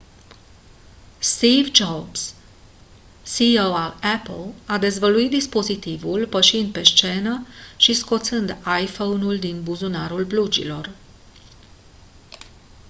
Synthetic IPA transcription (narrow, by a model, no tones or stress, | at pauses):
st̪ivd͡ʒobs | siowalɛplad̪e̞zvəluit̪̚d̪ispo̞zit̪ivulpəʃind̪̚pe̞st͡ʃe̞nəʃisko̞t̪sɨnd̪ajfownuld̪inbuzunaɾulblud͡ʒḭlo̞r